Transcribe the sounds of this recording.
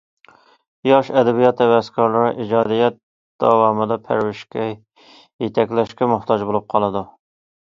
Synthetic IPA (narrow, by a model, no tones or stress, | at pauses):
jɑʃɛd̪ɛbijɑt̪ʰɛwɛskʰɑɾlˠɨɾɨʔid͡ʒɑd̪ijɑt̪̚ | d̪̥ɑwɑmɨd̪ɑpʰæ̰ɾwɪʃkʲɛ | jet̪ʰɛkʲlɛʃkʲɛmʊht̪ʰɑd͡ʒbolˠup̚qʰɑlˠɨd̪u